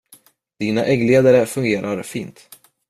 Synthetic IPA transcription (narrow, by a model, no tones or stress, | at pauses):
d̪̥iːnaʔɛɡleːd̪aɾəfɵŋɡeːɾʔaɾfiːnt̪